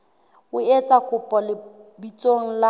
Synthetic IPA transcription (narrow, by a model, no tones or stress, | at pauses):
ʊet͡sʼakʼʊpʼɔlɪbit͡sʼoŋ̩la